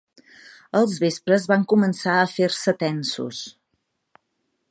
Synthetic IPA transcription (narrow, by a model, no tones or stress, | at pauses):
əlˠzβespɾəzβaŋkumənsaəfeɾsət̪ɛnsṵs